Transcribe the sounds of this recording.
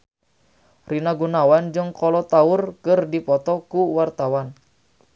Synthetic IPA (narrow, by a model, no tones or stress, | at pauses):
rinaɡunawand͡ʒɨŋkɔlɔt̪aʊrkɨrdipɔt̪ɔkuwart̪awan